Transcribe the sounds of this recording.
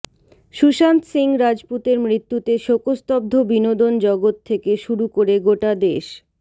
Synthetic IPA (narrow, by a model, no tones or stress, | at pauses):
ʃuʃant̪siŋɾad͡ʑput̪eɾmɾit̪ːut̪eʃokost̪ɔb̚d̪ʱobinod̪ond͡ʑɔɡot̪ʰːekeʃuɾukoɾeɡoʈad̪eʃ